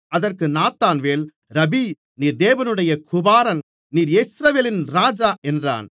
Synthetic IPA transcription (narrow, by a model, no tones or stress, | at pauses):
ɐðɐrkɯnaːt̪ːaːnʋeːl | ɾɐbi | niːɾd̪eːʋɐnɯɽɐjɐkʰʊbaːɾɐn | niːɾjesɾɐʋeːlɪnɾaːd͡ʒaːʔɛndra̰ːn